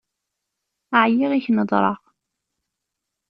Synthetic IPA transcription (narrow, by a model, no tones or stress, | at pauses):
aʕjiʁiçnəd̪ˤɾˤɑ̰ʁ